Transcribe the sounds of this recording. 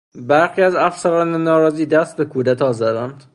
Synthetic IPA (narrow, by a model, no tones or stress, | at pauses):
bæɾxiːæzæfsæɾɒːnenɒːɾɒːziːd̪æst̪̚bekʰuːd̪æt̪ʰɒːzæd̪ænd̪̥